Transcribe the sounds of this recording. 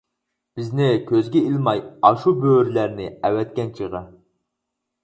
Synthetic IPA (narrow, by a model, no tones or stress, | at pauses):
b̥ɪznɪkʲʰøzɡʲɛilmɑjɑʃubøɾlæɾnɪɛwɛt̪kʲɛnt͡ʃʰəʁə